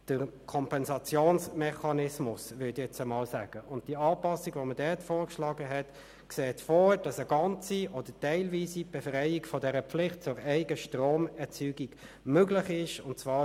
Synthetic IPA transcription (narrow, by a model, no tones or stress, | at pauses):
d̥əʁkʰɔmpɛnzɑt͡sjoːnsmɛχɑnɪsmʊsvʏdijɛt͡səmɑːlsaːɡ̥əʔʊnt̚d̥iːɑːpɑsiɡʋomədɛtfoːɾkʃlɑːɡəɦɛt | kseːtfɔːd̥ɑsəɡɑnt͡siʔɔd̥ətɛɪlviːsib̥ɛfʁɛɪikfɔdɛɾəflɪχt̚t͡sʊɾæɪɡəʃtroːmɛt͡syːɡiɡ | møɡlɪχɪʃʊntt͡svɑː